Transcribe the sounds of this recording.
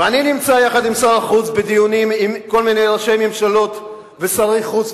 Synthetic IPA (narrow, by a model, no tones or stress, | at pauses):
eaninimt͡sajaχad̪imsaʁaχuzbed̪ijunimimko̞lmine̞jʁaʃe̞jmemʃalo̞t̪ | vesaʁiχuz